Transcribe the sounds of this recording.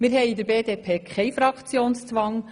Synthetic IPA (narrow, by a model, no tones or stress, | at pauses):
mɪːɾɦɛɪid̪əɾbeːdeːpʰeːkʰχɛɪfɾɑkt͡sjoːnst͡sʋɑŋ